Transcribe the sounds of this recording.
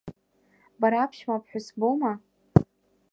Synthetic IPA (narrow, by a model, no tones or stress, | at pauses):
baɾaːpʰʃmapʰħʷᶣʊsboma